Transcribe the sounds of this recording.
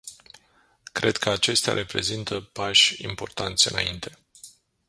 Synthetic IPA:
kɾʔe̞d̪kʰəat͡ʃe̞st̪ea̰ɾʔe̞pɾe̞zint̪əpaʃʲḭmpo̞rt̪ant̪sʲɨnaint̪ʰe̞

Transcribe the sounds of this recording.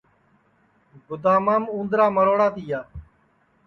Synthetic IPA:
ɡʊd̪aːmaːmũːnd̪ɾaːməɾoːɽaːt̪iːjaː

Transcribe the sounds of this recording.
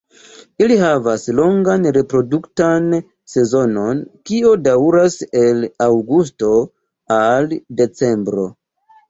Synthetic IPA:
iliɦavaslo̞ŋɡanɾe̞pɾo̞duktan | se̞zo̞no̞nkio̞dawɾase̞lawɡus̬to̞ | alde̞t͡se̞mbɾo̞̰

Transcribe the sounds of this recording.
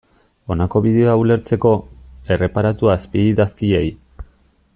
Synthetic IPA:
o̞nako̞βið̞eoaule̞ɾt͡se̞ko̞e̞re̞paɾat̪uaspiiðaskiej

